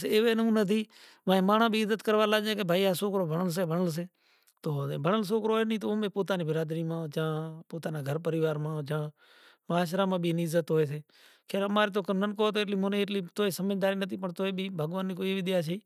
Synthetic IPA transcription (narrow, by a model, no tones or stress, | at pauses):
seːʋeːnũnət̪̬ʰiː | ʋãːẽːmaːɳ̃ãːbʱiːɪzːət̪kəɾʋaːlaːd͡ʒẽːkebʱaːiːaːsoːkɾoːbʱəɳəls̬eːbʱəɳəls̬eː | t̪oːbʱəɳəls̬oːkɾoːeːnĩːt̪oːmẽːpoːt̪aːniːbɪɾaːd̪ɾiːmãːd͡ʒãːpoːt̪aːnaːɡʱəɾpəɾɪʋaːɾmãːd͡ʒãː | məaːʃɾaːmãːbʱiːniːɪzːət̪ɦoːeːseː | kʰeːɾəmaːɾeːt̪oːkəmnənkoːt̪oːeːʈliːmoːnĩeʈliːt̪oːeːsəməd͡ʒd̪aːɾiːnət̪ʰiːpəɳt̪oːeːbʱiːbʱəɡʋaːnːiːkoːibɪɗ̪ɪjaːt͡ʃʰəiː